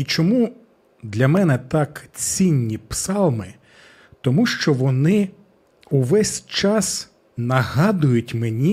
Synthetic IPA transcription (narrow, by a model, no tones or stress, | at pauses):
it͡ʃɔmu | d̪lʲɐmɛnɛt̪ɑkt͡sʲinʲːipsɑlˠmɪ | t̪ɔmuʃt͡ʃɔʋɔnɪ | uʋɛsʲt͡ʃɑs | nɐɦɑd̪ʊjʊtʲmenʲi